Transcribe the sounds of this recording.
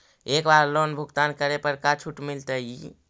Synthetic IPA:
ekbaɾlonbʱuɡt̪ankəɾepəɾkat͡ʃʰuʈmilt̪əj

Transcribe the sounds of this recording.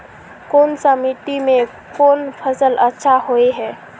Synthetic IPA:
koːnsəmɪʈimẽ | kʰoːnpʰəsələtːʃʰaɦoeɦɛː

